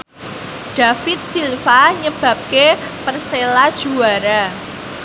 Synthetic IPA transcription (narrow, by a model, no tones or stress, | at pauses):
ɖ̥a̤fɪt̪̚silfaɲəb̥a̤p̚ke | pərselad̥ʒ̥ṳwaɾa